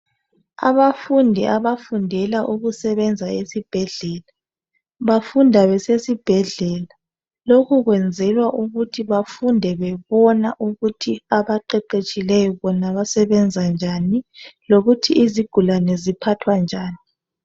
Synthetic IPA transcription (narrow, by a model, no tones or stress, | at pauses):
a̰βafundʱɛʔaβafundʱɛlaʔuɣusɛβɛnd͡zʱaesib̥ʱɛɮɛːla | βafundʱaβɛsesib̥ʱɛɮɛla | lokʰuɣwɛnd͡zʱɛlwaʔuɣutʰiβafundʱɛβɛβɔnaʔuɣutʰiaβaǃɛǃet͡ʃʼilɛjɔβɔnaβasɛβɛnd͡zʱand͡ʒʱaniloɣutʰiʔiziɡ̥ʱulanɛzipʰatʰwand͡ʒʱaːni